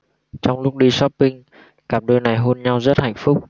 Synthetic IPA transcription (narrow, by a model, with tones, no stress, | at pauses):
t͡ɕɔ˧wŋ͡mlʊ˦˥k͡p̚ɗi˧sɔ˦˥pːï˧ŋ | kaː˦˩m̚ɗoː˧jna˨˩jɦo˧nɲa˧wzə˦˥t̚ha̰˧˨jŋ̟fʊ˦˥k͡p̚